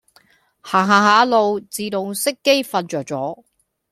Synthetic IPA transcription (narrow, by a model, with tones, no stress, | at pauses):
haː˨˩ɦaː˨˩ɦaː˨˥lo˧wt͡siː˨t̪o˨˧ŋsɪ˥kːe˥jfɐ˧nt͡ʃœː˨k̚t͡ʃɔː˨˥